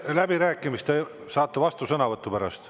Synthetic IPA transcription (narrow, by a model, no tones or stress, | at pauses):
læbiɾæːkːˑimist̪e | sɑːt̪ːevɑst̪usɤnɑvɤt̪ˑːupæɾɑ̰st̪